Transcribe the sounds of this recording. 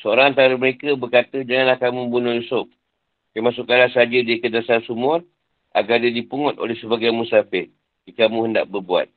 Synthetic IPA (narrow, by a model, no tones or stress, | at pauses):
səoɾaŋant̪aɾəməɾekəbərkat̪əd͡ʒaŋanlahkamũmbunʊjusʊf̚ | kamasukanlasəad͡ʒədikədasarsumʊr | ʔa̰ɡardadipuŋɔt̪̚o̰lɛhsəbaɡajmũsafɪt̪̚ | kikamũhənda̰ʔbərbua̰t̪̚